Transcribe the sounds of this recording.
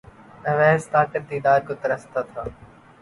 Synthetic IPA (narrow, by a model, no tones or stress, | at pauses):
ə̃ːʋɛːsʈ̪aːʈəʈ̚d̪iːd̪aːɾkʊt̪əɾəst̪aːt̪ʰaː